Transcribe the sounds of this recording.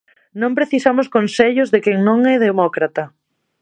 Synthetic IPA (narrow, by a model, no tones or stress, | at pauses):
nõmpɾeθisamʊskonseʎʊzðekeŋnõŋɛðemɔkɾat̪ɐ